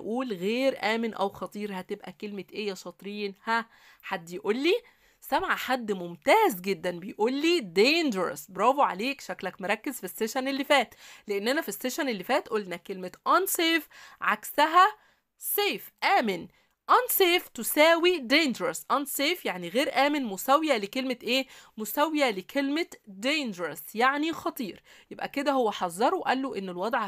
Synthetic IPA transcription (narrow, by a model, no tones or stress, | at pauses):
ʔuːlɣeːɾʔæːmenʔæwxɑt̪ˤiːɾhæt̪ebʔækelmet̪ʔejːæʃɑt̪ˤɾiːnhæ | ħad̪ːjʔuːlːiː | sæmʕaħad̪ːmomt̪æːzɡed̪ːænbejʔuːlːiːd̪eːnd͡ʒɾˤɑ̰sbɾˤɑːboʕaleːkʃæklækmeɾˤɑkːezfisːeʃænelːifæːt̪leʔenːʔænæfisːeʃænelːifæːt̪ʔolnækelmet̪ʔænseːfʕaksæɦæ | seːfʔæːmen | ʔænseːft̪osæːwid̪eːnd͡ʒɾɑsʔænseːfjaʕniɣeːɾʔæːmenmosæwjælekelmet̪ʔeːmosæwjælekʰelmed̪eːnd͡ʒɾæsjaʕnixɑt̪ˤiːɾ | jebʔæ̰ked̪æhowːæħɑzˤːɑɾˤowʔælːoʔenːelwɑd̪ˤʕ